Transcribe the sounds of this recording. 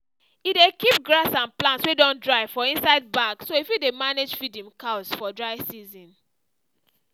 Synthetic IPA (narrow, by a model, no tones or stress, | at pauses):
idekip̚ɡɹasãnplãntswedɔ̃ndɹaɪfɔĩnsaɪd̚baksoifjudemaned͡ʒfidĩmkʰaʊsfɔdɹaɪsizĩn